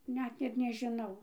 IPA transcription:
ˈnʲɛt ɪr nʲɛʒʲɪˈnɐʊ

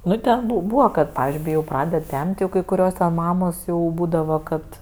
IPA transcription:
ˈnʊ tʲɛn bʊ ˈbuːʋɐ kɐt pɐʋʲɪzʲd͡ʒʲʊɪ kɐɪ ˈjɛʊ ˈprɑːdʲɛt ˈtʲɛmʲtʲ ˈjɛʊ kɐɪ kʊˈrʲoːs tʲɛn ˈmɑːmoːs jɛʊ ˈbuːdɐʋɐ ˈkɐt

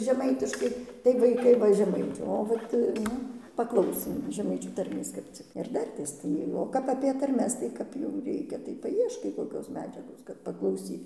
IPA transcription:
ʒʲɛˈmɐɪtʲɪʃkɐɪ tɐɪ ʋɐɪˈkɐɪ ˈʋɐ ʒʲɛmɐɪˈt͡ʃʲæːʋoː tɐɪ ˈnʊ pɐˈklˠɐʊsʲeːm ʒʲɛˈmɐɪt͡ʃʲuː tɐrʲˈmʲeːs kɐp ˈt͡sʲɪk ɪr ˈdɐrʲtʲeːs ˈtɐɪ oː ˈkɐp ɐpʲiɛ tɐrʲˈmʲɛs tɐɪ ˈkɐp jɛʊ ˈrʲɛɪkʲɛ tɐɪ pɐˈiɛʃkɐɪ koːˈkʲoːs ˈmʲæːd͡ʒʲɛɡoːs kɐt pɐklˠɐʊˈsʲiːt

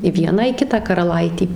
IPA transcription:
ɪ ˈʋʲiɛnɑː ɪ ˈkʲɪtɑː kɐrɐˈlˠɐɪtʲɪ

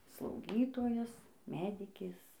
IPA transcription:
slˠɐʊˈɡʲiːtoːjɛs ˈmʲæːdʲɪkʲeːs

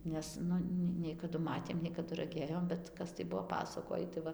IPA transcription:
ˈnʲɛs ˈnʊ nʲɛ nʲɛɪ kɐˈdʊ ˈmɑːtʲeːm nʲɛɪ kɐˈdʊ rɐˈɡʲeːjoːm bʲɛt ˈkɐs tɐɪ ˈbuɔ ˈpɑːsɐkoːjiː tɐɪ ˈʋɐ

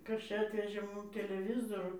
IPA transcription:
ˈkɐs ˈt͡ʃʲɛ ˈɑːtʲʋʲɛʒʲeː ˈmʊm tʲɛlʲɛˈʋʲɪzoːrʊ

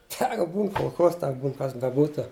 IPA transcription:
ˈsɑːkɐ ˈbuːn koːlˠˈxoːs ˈtʲɛk ˈbuːn ˈkɐs bʲɛˈbuːtʊ

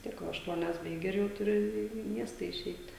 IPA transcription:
ʋʲɪs ˈtʲiɛk ˈʋɐ ɐʃˈtuɔnʲɛs bɐɪˈɡʲɪ ɪr jɛʊ tʊˈrʲɪ ˈiː iː ˈmʲiɛstɐ ɪˈʃʲɛɪtʲ

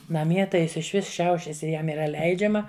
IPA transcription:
nɐˈmʲiɛ tɐɪ ˈjɪs ɪʃʲˈʋʲɪs ˈʃʲɛʊʃʲɛs ɪ ˈjɛm iːˈrɐ ˈlʲɛɪd͡ʒʲɛmɐ

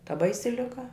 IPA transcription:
tɐ ˈbɐɪsʲɪ lʲɪˈɡɐ

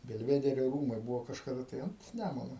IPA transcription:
bʲɛlʲˈʋʲæːdʲɛrʲoː ˈruːmɐɪ ˈbʊʋoː kɐʃkɐˈdɐ tɐɪ ɐnt ˈnʲæmʊnʊ

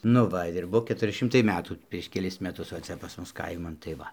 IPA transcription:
nʊ ˈʋɐ ɪr ˈbuɔ kʲɛtʊˈrʲɪ ˈʃʲɪmtɐɪ ˈmʲæːtuː pʲrʲiɛʃ kʲɛˈlʲɪs mʲɛˈtʊs ʋɐ ˈt͡sʲɛ pɐs ˈmʊs ˈkɐɪmɐn tɐɪ ˈʋɐ

